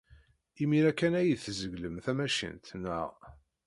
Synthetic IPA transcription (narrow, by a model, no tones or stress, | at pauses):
imiɾækːænæjəðθzəɡləmθæmæʃə̰nt̪nːə̰ʁ